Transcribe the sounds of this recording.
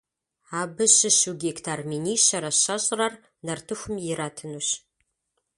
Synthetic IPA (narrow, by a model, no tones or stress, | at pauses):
aːbɨɕɪɕuɡʲektʰarminiːɕɐɾɐɕɐɕʼrɐr | nɐrtʰɨxʷʊmjɪɾaːtʰɨnuːɕ